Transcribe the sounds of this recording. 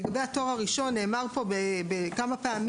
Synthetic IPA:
ɡabe̞jhato̞ʁaʁiʃo̞nːe̞ːmaʁpo̞bebekamapeam

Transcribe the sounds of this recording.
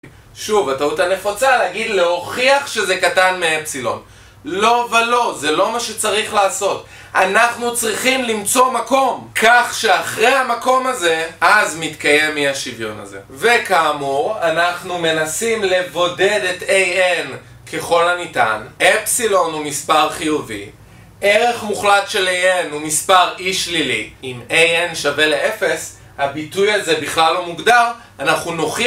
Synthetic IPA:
ʃuvatautane̞fot͡saleːɡidle̞o̞χiaχʃe̞zekatanmeepsilo̞̰n | lo̞velo̞ze̞lo̞maʃe̞t͡saʁiχlaːso̞t | anaχnut͡sʁiχimlimt͡so̞mako̞mkʰaχʃeaχʁejamako̞maze̞ʔazmitkaje̞miaʃivjo̞̰na̰ze̞̰ve̞kaːmuʁanaχnume̞nasimle̞vo̞de̞detejen | kʰe̞χo̞lanita̰nʔepsilo̞numispaʁχijuvḭ | ʔe̞ʁe̞χmuχlatʃelejenumispaʁiʃliliimejenʃave̞leʔe̞fe̞s | habitujazebiχlalːo̞muɡdaʁ | anaχnuno̞χi

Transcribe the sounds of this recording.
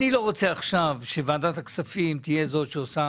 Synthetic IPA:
nilo̞ʁo̞t͡se̞aχʃavʃevaːdat̪haksafimt̪ije̞zo̞tʃeosa

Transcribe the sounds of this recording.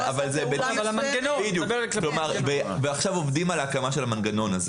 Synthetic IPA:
avalzebevaaanɡenobid̪jukbkklomaʁveveaχʃavovd̪imalaakamaʃelamanɡano̞naze

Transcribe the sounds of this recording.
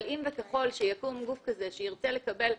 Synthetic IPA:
limvekaχo̞lʃejakumɡufkaze̞ʃejiʁt͡sele̞kabe̞l

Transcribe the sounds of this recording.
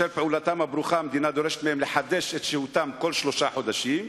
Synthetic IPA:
elpeʔulat̪amabɾuχamed̪inad̪oɾeʃe̥t̪mehemleħad̪eʃet̪ʃehut̪amkolʃlo̞ʃaħod̪aʃim

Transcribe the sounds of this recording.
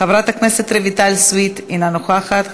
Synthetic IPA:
avɾat̪akneset̪ɾevit̪alswit̪inanoχaχat̪

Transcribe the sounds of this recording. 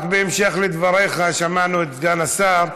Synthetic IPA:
kbeːmʃeχled̪vaʁeχaʃamanuet̪ɡanasaʁ

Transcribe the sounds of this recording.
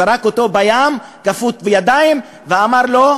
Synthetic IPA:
aɾakot̪o̞bajam | kafut̪bejad̪aim | veamaɾlo̞

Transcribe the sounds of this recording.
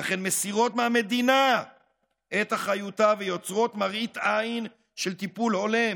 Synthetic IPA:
laχe̞nmesiʁo̞tmeame̞d̪ina | ʔet̪aχajutavejo̞t͡sʁo̞tmaʁit̪ain | ʃelt̪ipulho̞le

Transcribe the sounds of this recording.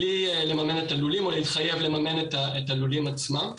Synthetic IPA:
liele̞mame̞netalulimo̞leit̪χaje̞vle̞mame̞netaetalulimat͡smam

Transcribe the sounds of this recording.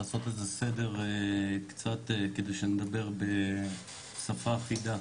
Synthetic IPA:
aːso̞t̪ezesedeʁekt͡sat̪eked̪ejʃened̪abe̞ʁbe̞ | safaːχid̪a

